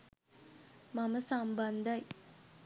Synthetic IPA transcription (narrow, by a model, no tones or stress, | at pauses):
maməsamband̪aj